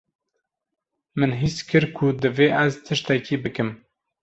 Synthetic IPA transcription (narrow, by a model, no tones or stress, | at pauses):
mɨnɦiskʰɨɾkʰud̪ɨveːʔæzt̪ʰɨʃt̪ɛkiːbɨkɨm